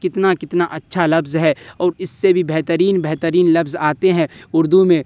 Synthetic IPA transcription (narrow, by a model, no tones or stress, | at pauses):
kɪt̪nakɪt̪naʔɐtːʃʰalɐbzɦɛɔːɾɪsːebʱibɛɦt̪əɾiːnbɛɦt̪əɾiːnlɐbzaːt̪eɦɛ̃ʊɾd̪umẽ